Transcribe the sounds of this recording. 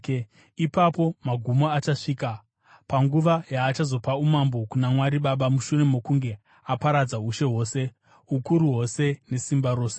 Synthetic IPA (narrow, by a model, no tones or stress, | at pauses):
ipapo̞maɡʱumo̞at͡ʃaʂiːka | paŋɡuʋajaːt͡ʃazo̞paumambokunamwaɾiɓaɓamuʃune̞mo̞kuŋɡe̞ | apaɾad͡zauʃe̞ɦo̞ːse̞ | ukuɾuɦo̞se̞ne̞simbaɾo̞ːse